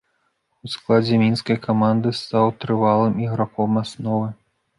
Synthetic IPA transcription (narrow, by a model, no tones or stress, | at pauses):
usklˠad͡zʲɛmʲinskɐjkʰamand̪ɨst̪awt̪ɾɨvalˠɨmiɣɾakɔmasnɔvɨ